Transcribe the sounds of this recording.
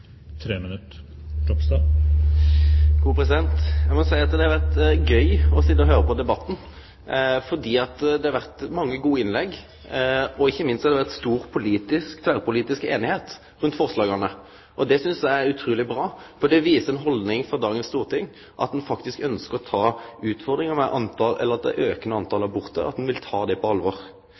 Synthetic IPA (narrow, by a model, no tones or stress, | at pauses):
t̪ʰɾeːmɪnʉt̪ | k̪ʰɔpsd̪ɑː | ɡ̥uːpʰɾɛs̬ɪd̪ɛnt̪jæɪmɔsæɪɑt̪d̪ɛhæɾʋæʁt̪ɡœʏɔsɪd̪ɔɦøːɾəpɔd̪ɛbɑt̪ːn | fɔd̪iːɑt̪d̪ɛhɑɾʋæʁt̪mɑŋːəɡuːəɪnlɛɡ | ɔɪçːəmɪnst̪ɑd̪ɛʋæʁt̪st̪uːʁpʰʊliːt̪ɪskt̪ʰʋæʁpʊliːt̪ɪskḛːnɪheːt̪ | ɾʉnt̪fɔʁslɑːɡɑnə | ʔɔd̪ɛsʏnsæɪɛʉt̪ʰɾuːlɪbʁɑːfɔd̪ɛʋiːsəɛnɦɔld̪nɪŋfɔʁd̪ɑːɡənst̪uːʁt̪ʰɪŋː | ʔɑ̰t̪d̪ɛnfɑkt̪ɪskœnskəɾʁɔt̪ʰɑːʉːt̪fɔʁd̪ɾɪŋəmɛʔɑnt̪ʰɑːlʔɛ̰lːəʁɑt̪̚d̪ɛ̰ʔøːkənəɑnt̪ʰɑːləbʊʁt̪ə̰ɑ̰t̪̚d̪nʋɪlt̪ʰɑːd̪ɛpʰɔɑlʋɔʁ